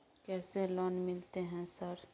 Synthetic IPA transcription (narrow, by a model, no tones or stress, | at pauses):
kɛːselɔːnmɪlt̪eɦɛ̃sɐɾ